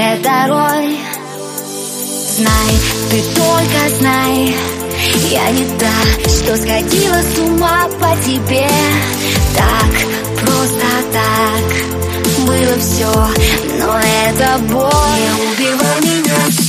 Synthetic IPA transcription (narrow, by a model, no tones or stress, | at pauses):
ad̪ɐɾoj | znajt̪ɨt̪olʲkəznaj | ja̰nʲɪd̪aʂt̪osxɐdʲilˠəsʊmapətʲɪbʲe | t̪ak | pɾost̪ət̪ak | bɨlˠəfsʲonoɛt̪əbojəʊbʲɪvamʲɪnʲa